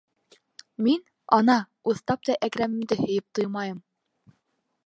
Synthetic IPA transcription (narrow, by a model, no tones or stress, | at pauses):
min | ɑnɑ | uθt̪ɑp̚t̪ɑʔækɾæmɘ̆md̪ɘhɵ̆jɘp̚t̪ɤjmɑjɤm